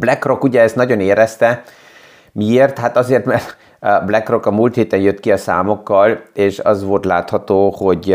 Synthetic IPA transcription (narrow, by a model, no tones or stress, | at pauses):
blɛkro̞kuɟɛɛst̪nɒɟo̞neːɾɛst̪ɛ | mieːrt̪hat̪ɒzeːrt̪mɛrt̪ | blɛkro̞kɒmuːlt̪heːt̪ɛnjøt̪ːkiɒsa̰ːmo̞kːɒleːʃɒ̰zʋo̞lt̪la̰ːt̪hɒt̪oːho̞ɟ